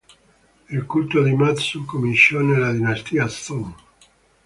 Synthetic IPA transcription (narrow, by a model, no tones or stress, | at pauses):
ilkult̪od̪imat̪sukominsɔnelad̪inast̪iːast̪ɔn